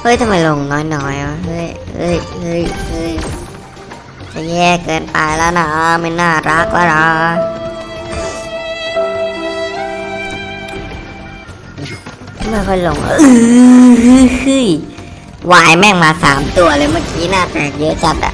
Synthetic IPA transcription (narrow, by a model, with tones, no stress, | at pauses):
hɤ˦˥jt̪ʰa˧mːa˧jlo˧˩ŋnɔː˦˥jnɔː˧˦˥ja˨˧˦ɦɤ˦˥˩jhɤ̰˦˥˩jhɤ˦˥˩jhɯ˦˥˩j | t͡ɕa˨˩jɛː˥˩kɤː˧npa˧jlɛː˦˥wna˧˩ʔma˧˩nːaː˥˩ɾa˦˥k̚lɛː˦˥wna˧˩ | t̪ʰa˧˩ma˥˩jkʰɔ˥˩jlo˧˩ŋʔa̰˧˩ʔɯː˧hɯ˧˥hɯ˧˥˩j | waː˧˩jmɛ˥˩ŋmaː˧saː˩˦mt̪u˧ɐlɤː˧jmaː˥˩kiː˨˦naː˥˩t̪ɛː˨˩k̚jɤ˦˥ʔt͡ɕa˨˩t̪̚a̰˨˩